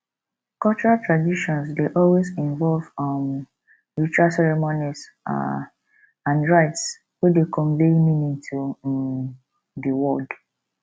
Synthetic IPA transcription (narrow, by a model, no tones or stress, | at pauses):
kɔlt͡ʃɔɹaltɹadiʃɔ̃nsdeʔɔlwezĩnvɔlvɔm | ɹit͡ʃualsɛɹɛmonis | ãndɹaɪts | wedekʰɔ̃ɱvemĩnĩntʰu | dəwɔld